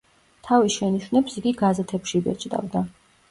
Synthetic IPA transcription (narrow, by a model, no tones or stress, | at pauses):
t̪ʰavisʃɛniʃwnɛpsiɡiɡazɛt̪ʰɛpʃibɛ̰t͡ʃʼd̪ʼa̰vd̪a